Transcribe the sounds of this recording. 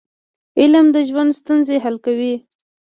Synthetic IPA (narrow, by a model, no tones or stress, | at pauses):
ɪləmd̪əʒwand̪st̪unzeɦalkawi